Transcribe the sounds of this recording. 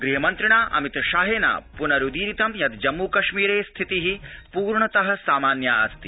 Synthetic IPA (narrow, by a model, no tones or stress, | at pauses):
ɡɾiɦɐmɐnt̪ɾiɳaːʔɐ̰mit̪ʃaːɦeːna̰ːpunɐɾud̪iːɾit̪ɐmjɐt̪d͡ʒɐmːuːkɐʃmiːɾeːst̪ʰit̪iɦipuːɾɳɐt̪ɐɦɐ̆saːmaːnjaːa̰ːst̪i